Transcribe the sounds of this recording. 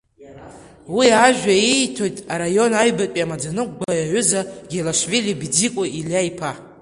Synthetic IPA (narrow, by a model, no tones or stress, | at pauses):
wiaʒᶣaitʰo̞jtʼaɾajo̞najbatʷʼiamad͡zanɨk̚ʷʼɡajaɥʏzaɡʲelaʂvilibd͡zikʷʼaʔilaipʰa